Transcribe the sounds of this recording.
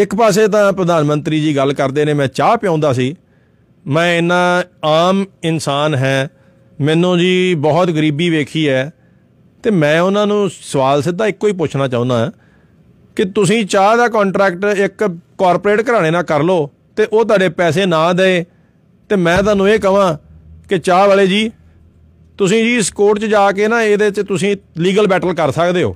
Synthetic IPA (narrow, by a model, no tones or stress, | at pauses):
ɪkpɛːs̬eːt̪̬ãːpɾəd̪aːnmənt̪ɾiːd͡ʒiːɡəlkəɾd̪eːneːmɛ̃ːt͡ʃaːpɪjãːnd̪aːsiː | mɛ̃ːɪnãːaːmɪnsaːnɦɛː | mɛ̃ːnũːd͡ʒiːbɔːt̪ɡəɾiːbiːʋeːkʰiːɛː | t̪eːmɛ̃ːʊnãːnũːsəʋaːlsɪd̪aːɪkːoːiːp̬ʊt͡ʃʰnaːt͡ʃaːʊ̃nd̪aːɛː | kɪt̪ʊsĩːt͡ʃaːd̪aːkɔ̃ːɳʈɾɛːkʈɪkːɔːɾpːɾeːʈkəɾaːɽ̃eːnãːkəɾloː | t̪eːʔoːt̪̬waːɖeːpɛːs̬eːnãːd̪ɛeː | t̪eːmɛ̃ːt̪̬aːnũːeːkəʋãːkɪt͡ʃaːʋaːleːd͡ʒiː | t̪ʊsĩːd͡ʒiːɪskoːʈt͡ʃd͡ʒaːkeːnaːeːd̪eːt͡ʃt̪ʊsĩːliːɡəlbɛːʈəlkəɾsəkd̪eːɦo̰ː